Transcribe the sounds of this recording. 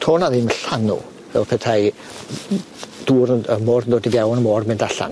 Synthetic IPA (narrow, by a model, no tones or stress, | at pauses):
tʰoːnaðinməɬanʊ̰ | vɛ̰lˠpʰɛtʰaj | d̥uːɾəmɔːrəndɔːdɪvjawnəmɔːrmɪndaɬa̰n